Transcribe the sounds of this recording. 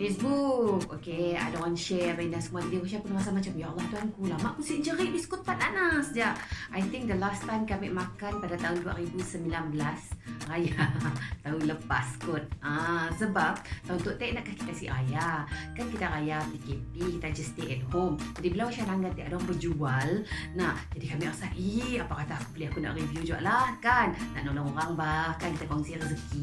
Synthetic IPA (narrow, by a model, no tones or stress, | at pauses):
fesbuk̚okea̰dawanʃɛbainasəmuadidiwoʃapunmas̬amat͡ʃamjalˠːaht̪uɦankulamaʔkusiʔd͡ʒəɾibiskut̪̚pːananasəd͡ʒaʔʔajt̪ɪŋ̚d̪əlast̪ajmkamɛʔmakanpadat̪aɦʊndua̰ɾibusəmbilanbəlasrajat̪auləpa̰skʊt̪̚asəbap̚t̪aunt̪ʊʔt̪ɛʔnaʔkahki̥t̪asḭɾajakankit̪aɾajapikep̚ikit̪ad͡ʒəst̪eʔɛt̪̚ɦomd͡ʒadibəlawʃaɾaŋɡant̪ɛʔadɔŋpəd͡ʒualnaʔd͡ʒadikamiʔrəsaʔʔiapakat̪aakubəliakuna̰ʔrivjud͡ʒuɡa̰ʔlahkanːa̰ʔnloŋoɾaŋbahkankit̪akaŋsirəzəki